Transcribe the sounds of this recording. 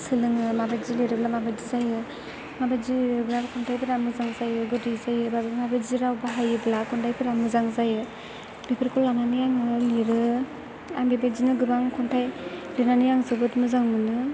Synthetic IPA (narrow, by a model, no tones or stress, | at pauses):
sɯlɯŋɯmabazileɾɯblamabazizajɯ | mabazibɾabakʰɔntʰajpʰɯɾamɯzaŋzajɯɡɯdizajɯbamabaziɾawbaɦajɯblakuntʰajpʰɯɾamɯzaŋzajɯ | bipʰɯɾkʰulananijaŋɯliɾɯ | a̰mbebezinɯɡɯɾaŋkʰɔntʰajlinanijaŋsɯbɯtmɯzaŋmɯnɯ